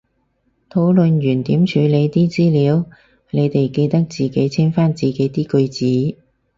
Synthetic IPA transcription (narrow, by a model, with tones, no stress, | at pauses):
t̪ʰo˨˥wlɵ˨njyː˨˩nt̪iː˨˥mt͡ʃʰyː˨˧le˨˧jt̪iː˥t͡siː˥liː˨˧˥w | ne˨˧jt̪e˨jke˧jt̪ɐ˥k̚t͡siː˨ke˨˥jt͡sʰi˥nfaː˥nt͡siː˨˩ke˨˥jt̪iː˥kɵ˧ɥt͡siː˨˥